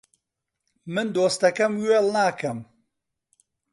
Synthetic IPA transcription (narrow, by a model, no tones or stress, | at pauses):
mɨnd̪oːst̪ɐkɐmɥeːlˠnaːkɐm